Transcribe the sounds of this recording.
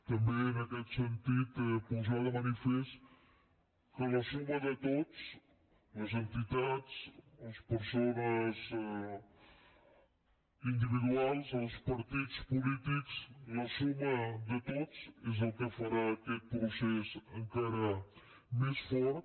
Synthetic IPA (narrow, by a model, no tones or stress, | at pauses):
t̪ɐ̃mbẽj̃nɐkɛt̪sẽnt̪iðupuzaðɐmɐnifɛʃ | kɐnɐsumɐðɨt̪od̪uʃ | ɐzẽnt̪it̪aðʃɐʃpɨɾsonɐzɛ | ĩnd̪iviðwalˠzɐwʃpɐɾt̪iðuʃpulit̪iku̥ʃnɐsumɐd̪ɨt̪od̪uzezɐlkɨfɐɾaɐkel̚pɾusɛsɐ̃ŋkaɾɐ | meʃfɔɾ